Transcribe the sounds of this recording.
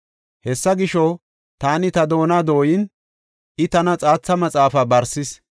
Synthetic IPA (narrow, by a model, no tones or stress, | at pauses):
hɛsːɐɡɪʃɔ | t̪aːnɪt̪ɐd̪o̞ːnaːd̪o̞ːjɪn | ʔɪt̪ɐnɐt͡sʼaːt͡sːɐmɐt͡sʼaːfabɐɾsɪs